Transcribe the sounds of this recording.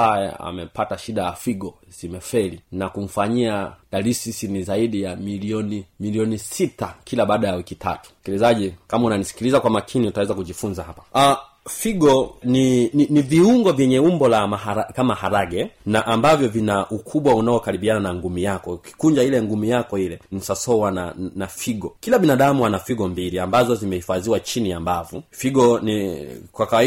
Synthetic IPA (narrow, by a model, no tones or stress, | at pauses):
ajɛ̰a̰mɛpataʃiɗajafiɡɔzimɛfɛlinakum̩faɲiaɗalisisinizaiɗijamiliɔnimiliɔnisitakʰilaɓaːɗajawikitʰa̰tu̥skilizaʄikamaunanisi̥kilizakwamakʰiniutawɛzakuʄifunzahapḁa | fiɡɔnininiviuŋɡɔvjɛɲɛumbɔlamaaakamahaɾaɡɛnaʔːmbavjɔvinaʔukʰuɓwaunaɔkaɾiɓiananaŋɡumijakɔki̥kuɲd͡ʒailɛŋɡumijakɔilɛnisasɔwananafiɡɔkilaɓinaɗamuwanafiɠɔmbiliambazɔzimɛhifaziwat͡ʃinijambavufiɡɔnikwakawai